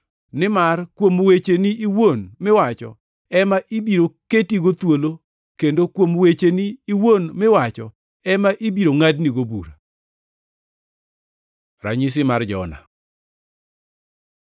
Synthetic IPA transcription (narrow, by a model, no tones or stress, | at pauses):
nɪmarkwomwet͡ʃeniʔiwonmɪwat͡ʃɔ̰ | ɛmaʔibiɾoketiɡot̪wolo | kendokwomwet͡ʃeniːwonmɪwat͡ʃɔ | ɛmaʔibiɾoŋadniɡobṵɾa | ɾa̰ɲis̬ɪmard͡ʒɔ̰na̰